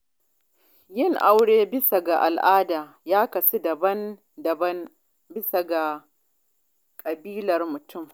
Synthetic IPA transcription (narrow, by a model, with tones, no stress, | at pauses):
jɪ˦˨ŋʔa˦wɽeː˦bɪ˦sa˨ɡa˨ʔa̰˨lʔaː˦daː˨ | jaː˦kɐ˨si˦dɐ˨bɐ˦n | dɐ˨bɐ˦n | bɪ˦sa˨ɡa˨ | kʼɐ˨biː˦lɐ˨rmʊ˨tʰʊ˦m